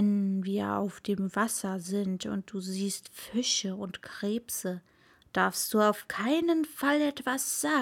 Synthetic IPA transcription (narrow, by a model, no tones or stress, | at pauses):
ɛnviːɐa̰ʊfd̥eːmvasɐzɪntʊ̰nt̚d̥uːziːstfɪʃəʊntkʁ̥eːpsə | d̥aɐfst̚d̥uːaʊfkʰaɪnənfalɛtv̥asz̥aː